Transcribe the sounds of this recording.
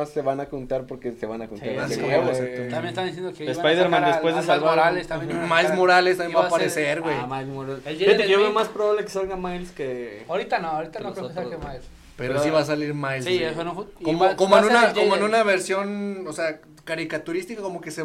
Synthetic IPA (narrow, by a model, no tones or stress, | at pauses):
aseβanakont̪aɾpoɾkeseβanakonaɾseoosaoamjenest̪and̪is̬jend̪okeespajðeɾmãnd̪espwezðesaloɾalest̪amjmajlzmo̞ɾalest̪amjembapaɾesseɾɣwejajmoɾaleleet̪ekoβemaspɾoβaβlekesalŋɡamajlskeawɾit̪anoawɾit̪anokɾoesaemajls | peɾosiβas̬aliɾmajlsiesonokomokomoenũnaomoenũnaβeɾsjo̞nosea | kaɾikat̪uɾist̪ikako̞mokese